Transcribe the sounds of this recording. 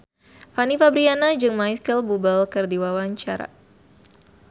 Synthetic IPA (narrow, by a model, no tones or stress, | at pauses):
fanifabɾianad͡ʒɨŋmajskəlbubəlkərdiwawaɲt͡ʃaɾa̰